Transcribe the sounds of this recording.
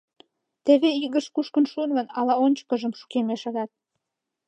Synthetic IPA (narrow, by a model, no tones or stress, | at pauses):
t̪eβeiɣəʃkuʃkənʃunvə̆nɑlɑonʲt͡ɕə̥kəʒəmʃu̥kemeʃə̆ɣɑt̪̚